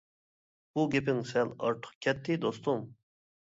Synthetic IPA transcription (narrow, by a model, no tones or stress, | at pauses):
b̥uɡʲepɪŋsɛlɑ̰ɾt̪ʰə̥χkʲʰɛt̪ʰːɪd̪ost̪ʰʊm